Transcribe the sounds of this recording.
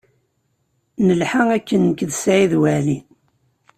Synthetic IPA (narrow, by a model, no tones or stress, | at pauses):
nəlħaŋækːənːəkðsʕiðwælin